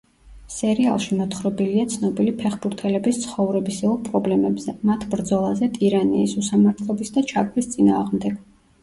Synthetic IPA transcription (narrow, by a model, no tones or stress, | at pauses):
sɛɾia̰lˠʃimɔt̪ʰχɾɔbiliat̪sʰnɔbilipʰɛχbuɾt̪ʰɛlɛbist̪sʰχɔvɾɛbisiɔlˠpʼɾɔblɛmɛbz̥ɛmat̪ʰbɾd̪zɔlˠazɛt̪ʼiɾaniːsusamaɾt̪ʰlˠɔbisd̪at͡ʃʰaɡvist̪sʼina̰ːʁmd̪ɛɡ̥